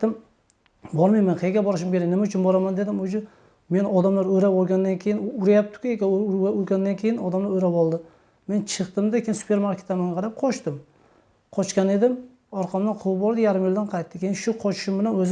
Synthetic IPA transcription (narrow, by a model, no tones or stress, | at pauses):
ɪm | bɒɾmajmanqʰeɡʲabɒɾɪʃ̬ɪmkʲe̞ɾaknɪmaʊt͡ʃʰʊnbɒɾamand̪ed̪ɪmod͡ʒʊ | me̞nɒd̪amlaɾɵjɾaɒɾɡʲand̪ankʲʰejɪnʊɾajap̚t̪ɪ̥kʲɪekʲaaʊɾɡʲand̪ankʲʰe̞jɪnɒd̪amlaɾoɾabɒlˠd̪ɪ | me̞nt͡ʃʰɨqt̪ɪmd̪akʲʰejnsʊ̥pʰeɾmaɾkʲʰet̪ːamaŋɡʲaqʰɑɾap̚qʰɒʃt̪ɪm | qʰɒt͡ʃkʲane̞d̪ɪm | ɒɾqʰɑmnanqʰʊwp̚bɒɾd̪ɪjaɾɪmjɪld̪anqʰɑajt̪ːɪkʲʰejnʃʊqʰɒt͡ʃʰɪ̥ʃɪmbɪlanɵz